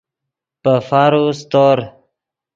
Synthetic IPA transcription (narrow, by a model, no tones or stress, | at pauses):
pəfaɾust̪oɾ